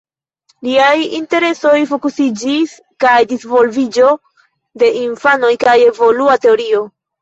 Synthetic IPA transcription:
liajinte̞ɾe̞so̞jfokusid͡ʒis | kajdisvo̞lvid͡ʒo̞ | de̞ʔinfano̞jkaje̞vo̞luate̞o̞ɾio̞

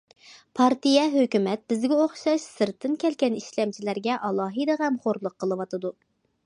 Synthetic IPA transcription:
pʰɑɾt̪ɨjɛɦøkʲymɛt̪̚b̥ɪzɡʲɛoχʃɑʃsɨɾt̪ʰːɨnkʲʰɛlkʲɛniʃlɛmt͡ʃʰilæɾɡʲɛʔɑlˠɑːɦɨd̪ɨʁɛmχoɾlˠʊqʰːəlˠɨwɑt̪ɨd̪u

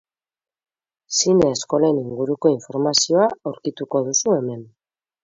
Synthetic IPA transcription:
sineːsko̞leniŋɡuɾuko̞iɱfo̞ɾmasio̞aawɾkit̪uko̞ðusue̞me̞n

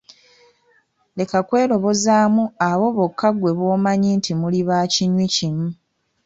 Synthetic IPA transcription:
le̞kakwe̞ːlo̞βo̞zaːmuaβo̞βokʰːaɡwe̞βwo̞ːmaɲiːntimuliβaːciɲwicimu

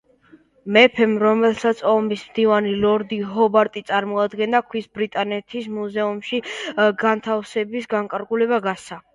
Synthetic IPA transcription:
mɛpʰɛmɾɔmɛlˠsat̪sʰɔmismd̪ivanilɔɾd̪iɦɔbaɾt̪ʼit̪sʼaɾmɔad̪ɡɛnd̪akʰwisbɾit̪ʼanɛt̪ʰismuzɛumʃiɡant̪ʰafsɛbisɡaŋkʼaɾɡulɛβaɡasa

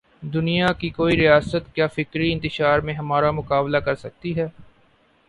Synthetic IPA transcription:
d̪ʊnijakikoːiɾijaːsət̪kjaːfɪkɾiɪ̃nt̪ɪʃaːɾmẽɦɐmaːɾamʊkaːblakɐɾsɐk̚t̪iɦɛː

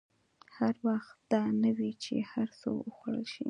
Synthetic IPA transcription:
haɾwaxt̪̚d̪̥ɑnəwit͡ʃḛhaɾso̰wəxaɽə̰lʃḭ

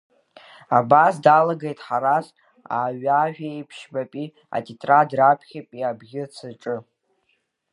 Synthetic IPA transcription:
abasdalaɡejtʼħaɾas | a̰ːɥaʒᶣejpʰʃbapʼi | a̰tʰʼitʼradrapʰχʲapʼiabɡʲɪt͡sʰɨʈ͡ʂʼɨ

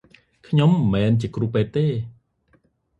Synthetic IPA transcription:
kʰɲomːɛːnt͡ɕiəkruːpeːt̪̚ːeː

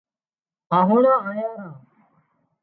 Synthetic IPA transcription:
aːɦuːnãːajaːɾãː

